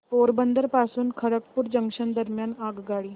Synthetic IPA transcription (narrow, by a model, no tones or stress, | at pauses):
poːɾbənd̪əɾpaːsunkʰɐɽəkpʊɾd͡ʒɐ̃ŋkʃənd̪ɐɾmjaːnaːɡɡaːɽiː